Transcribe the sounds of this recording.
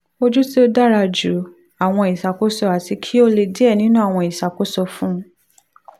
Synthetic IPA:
o˦d͡ʒu˦si˦o˦da˦ɾa˧d͡ʒu˨˦ | a˨w̃ɔ̃˧i˨sa˨ko˦sɔ˧a˨ti˧kʰi˦o˦le˧di˦ɛ˦˨nĩ˨˦nũ˦a˦˨w̃ɔ̃˧i˨sa˨ko˨˦sɔ˧fũ˦˧˦

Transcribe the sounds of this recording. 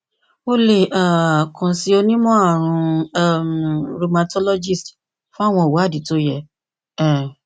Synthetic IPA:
o˧le˨a˨kã˨si˧o˧nĩ˦mɔ̃˦a˦˨ɾ̃ũ˧˦˨ | ɾo˧ma˧tɔ˦lɔ˦d͡ʒi˦˨st | fũ˦a˦˨w̃ɔ̃˧˨wu˨˦a˦˨di˨˦to˦jɛ˧ | ɛ̃˨

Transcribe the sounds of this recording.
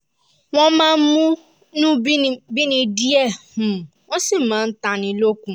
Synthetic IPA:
ŋɔ̃˦mã˦m̩˦mũ˦ | nũ˦bi˦˨bi˦nĩ˨di˦e˦˨ũ˨ | ɔ˦si˦m̩˨mã˨n̩˦ta˨ni˨lo˦kʷũ˨

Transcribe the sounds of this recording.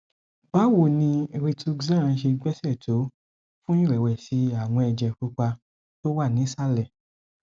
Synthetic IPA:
ba˨˦wo˦˨nĩ˧ɾe˧tʰu˧ɡzã˦ã˧˦ʃe˧ɡ͡bɛ˦sɛ˦˨tʰo˨˦ | fũ˦ĩ˦ɾɛ˨wɛ˨si˧˦a˨w̃ɔ̃˧ɛ˧d͡ʒɛ˨ku˦k͡pa˧ | to˦wa˦˨nĩ˨˦sa˦lɛ˦˨

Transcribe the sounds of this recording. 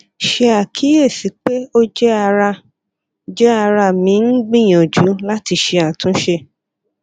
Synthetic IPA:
ʃe˧a˨kʰi˨˦je˦˨si˨˦k͡pe˦o˦d͡ʒɛ˦a˧ɾa˧ | d͡ʒɛ˦a˧ɾa˧mĩ˨˦n̩˦ɡ͡bĩ˦˨j̃õ˨d͡ʒu˨˦la˦ti˧ʃe˧a˨tũ˨˦ʃe˧

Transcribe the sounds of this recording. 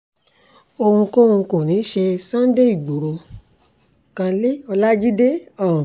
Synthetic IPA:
o˧hũ˧ko˦hũ˧ko˨nĩː˨˦ʃe˧sã˦n˦de˦i˦˨ɡ͡bo˨ɾo˧ | kã˧le˦ɔ˧la˦d͡ʒi˦de˦ɔ̃˨

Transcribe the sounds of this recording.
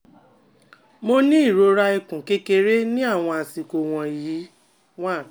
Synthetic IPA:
mo˦nĩ˦i˦˨ɾo˨˦ɾa˧i˧kũ˨ke˦ke˧ɾe˦nĩ˦a˦˨w̃ɔ̃˧a˨si˨ko˧w̃ɔ̃˧i˨ji˨˦ | w̃ã˦˨

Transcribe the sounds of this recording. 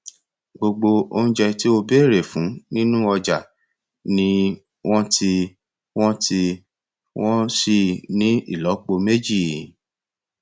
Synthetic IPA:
ɡ͡bo˧ɡ͡bo˧o˦ñ̩˦d͡ʒɛ˧ti˦o˧be˦˨ɾe˨fũ˨˦nĩ˦nũ˦ɔ˧d͡ʒa˨ | nĩ˦ | w̃ɔ̃˦tʰi˧ | w̃ɔ̃˦tʰi˧ | wɔ̃˦ʃi˦˨nĩ˦ḭ˦˨lɔ˨˦k͡po˧me˦d͡ʒi˦˨

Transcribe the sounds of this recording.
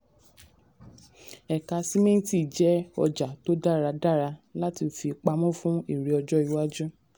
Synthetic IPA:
ɛ˨ka˨˧si˦mẽ˦ti˦˨d͡ʒɛ˦ɔ̰˧d͡ʒa˨to˦da˦˨ɾa˧da˦˨ɾa˧la˦ti˧˨fi˧k͡pa˧mɔ̃˦fũ˦i˦˨ɾi˨ɔ˧d͡ʒɔ˦i˨˧wa˦d͡ʒũ˦

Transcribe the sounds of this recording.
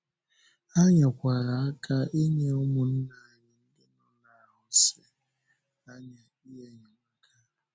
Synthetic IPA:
a˦ɲa˨kʷa˨ɾa˨a˦ka˦ʔi˦ɲe˦ʊ˦mʊ˨n̩˦na˨ɲɪ˨ŋ̩˦dɪ˦nɔ˦na˨ɦʊ˦sɪ˨ | a˦ɲa˨ | i˦ɦe˨ɲa˨ma˦ka˦˨

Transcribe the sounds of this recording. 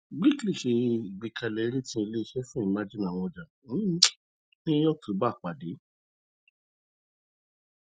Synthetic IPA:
ɡ͡bi˦kli˦˨ʃe˧i˨ɡ͡bi˨kʰa˧˨le˨˦ɾi˦tĩ˦i˧le˦i˧ʃɛ˦fũ˦ĩ˨mã˦d͡ʒi˦nã˨w̃ɔ̃˧d͡ʒa˨˦˨ | nĩ˦ɔ̃˦kʰo˨˦ba˦˨k͡pa˨de˨˦

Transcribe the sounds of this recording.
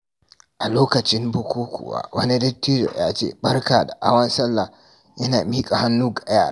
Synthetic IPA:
ʔa˨loː˦kɐ˨t͡ʃɪ˦mbʊ˦kʷuː˦kʷṵ˨wa̰ː˨˦wɐ˦ni˦dɐ˦tːiː˦d͡ʒo̰˨jaː˦t͡ʃḛ˦bɐ˦rkaː˨da˨ʔa̰˦wɐ˦nsɐ˦lːa˨ | jɐ˦naː˨miː˦kʼa˨ha˦nːuː˦ɡa˨˦jaː˦˨ɾa˦˨

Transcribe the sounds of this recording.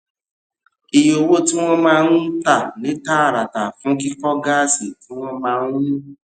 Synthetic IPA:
i˨jo˧wo˦tĩ˦w̃ɔ̃˦mãː˦˧˦ũ˦ta˦˨nĩ˨˦ta˦a˦˨ɾa˨ta˨fũ˨˦ki˦kɔ˦ɡa˦˨si˨tĩ˦w̃ɔ̃˦mãː˧˦ũ˦

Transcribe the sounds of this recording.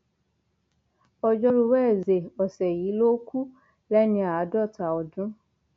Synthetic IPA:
ɔ˧d͡ʒɔ˦ɾu˧wɛː˦˨ze˨ɔ˨sɛ˨ji˨˦lo˦ku˦ | lɛ˦nĩ˧a˨a˨˦dɔ˦˨ta˨ɔ˨dũ˦

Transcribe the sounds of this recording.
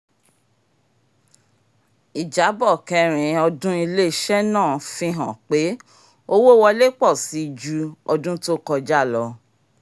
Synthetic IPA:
i˨d͡ʒa˨˦bɔ˦˨kɛ˧˨ɾ̃ĩ˨˦ɔ˧dũ˦i˧le˦˨ʃɛ˦nãː˦˨fĩ˧ɦã˨k͡pe˨˦ | o˦wo˦wɔ˧le˦k͡pɔ˦˨si˨˦˧d͡ʒu˧ɔ˧dũ˦to˦kɔ˧d͡ʒa˦˨lɔ˧

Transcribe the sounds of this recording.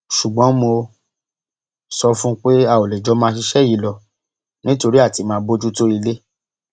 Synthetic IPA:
ʃu˨ɡ͡bɔ̃˨˦mo˧ | sɔ˦fũ˦k͡pe˦a˦˨o˨le˨d͡ʒɔ˧˦mãː˧˦ʃi˧ʃɛ˦˨ji˨lɔ˨ | nĩ˦to˧ɾi˦a˦˨ti˨˧˦mãː˧˦bo˦d͡ʒu˦to˦i˧le˦

